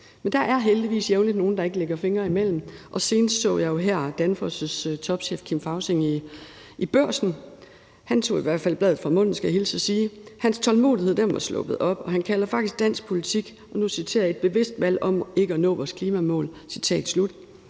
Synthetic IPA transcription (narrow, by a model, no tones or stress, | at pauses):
mend̥ɑ̈ʔæɐɦeld̥iʋḭːsjeʊnlid̥no̝ːn̩d̥ɑ̈e̝ɡ̥əleɡ̥ɐfe̝ŋɐimel̰m̩ʔɒ̽se̝ːnəsd̥sɔ̰̽ːjɑ̈ɪjo̝ɦæɐ̰d̥ænfɔsəst͡sʰɒ̽b̥ɕḛːfkʰimfɑ̈ʊseŋ | ʔib̥ɶɐ̰sn̩ | hænt͡sʰo̝̰ːiʋæɐ̰d̥fælb̥lɛðð̩ˠfʁɑ̈mɔ̽n̰n̩sɡ̥æhilsəsiːhænst͡sʰɒ̽lmo̝̰ːðˠihe̝ð̰̥ˠemʋɑ̈slɔ̽b̥əð̩ˠɒ̽b̥ɒ̽ɦænkʰælɐfɑ̈ɡ̥d̥isɡ̥̚d̥æn̰sɡ̥̚pʰo̝lit͡sʰiɡ̥ | ʔɒ̽nusit͡sʰe̝ːɐ̰e̝d̥̚b̥e̝ʋe̝sd̥ʋæl̰ɒ̽me̝ɡ̥əɒnɔ̰ːʋɒːskʰliːmæmɔ̰̽ːlsit͡sʰɛ̰ːd̥slud̥